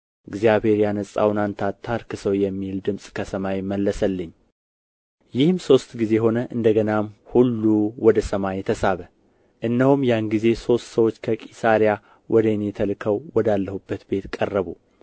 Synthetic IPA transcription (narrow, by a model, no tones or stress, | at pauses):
ɨɡzjaβhe̞ɾjanəsʼa̰wnant̪ʰat̪ʰːaɾkɨsəwjɛmːild̪ɨmsʼkʰəsəmajɪmːəlːəsəlːɨɲː | jɪhɨmso̞st̪ɡize̞ɦo̞nəʔɨnd̪əɡənamhulːuwɔd̪əsəmajɛt̪ʰəsaβə | ʔɨnːəhumjanɡize̞so̞st̪səwo̞t͡ʃːkʰəkʼisaɾija | wʔɔd̪ənjɛt̪ʰəlkʰəwwɔd̪alːəhubːət̪be̞t̪kʼərːəβu